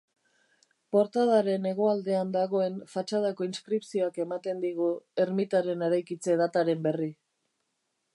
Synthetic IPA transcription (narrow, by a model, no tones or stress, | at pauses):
po̞ɾt̪aðaɾe̞ne̞ɣ̞o̞ald̪e̞and̪aɣo̞e̞nfat͡ʃað̞ako̞inskɾipsio̞ake̞mat̪e̞nd̪iɣ̞ue̞ɾmit̪aɾe̞ne̞ɾajkit͡se̞ð̞at̪aɾe̞mbe̞ri